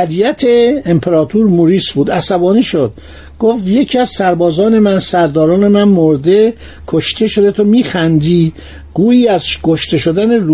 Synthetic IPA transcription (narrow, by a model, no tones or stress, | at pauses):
ælijæt̪ʰe̞empʰeɾɒːt̪ʰuɾmuɾiːsbuːd̪æsæbɒːniːʃod̪̥ | ɡ̥oft̪je̞cʰiæzsæɾbɒːzɒːne̞mænsæɾd̪ɒːɾɒːne̞mænmoɾd̪e | kʰoʃt̪ʰe̞ʃod̪e̞t̪ʰomiːxænd̪iː | ɡ̥uːiːæzkʰoʃt̪e̞ʃo̞d̪æneɾu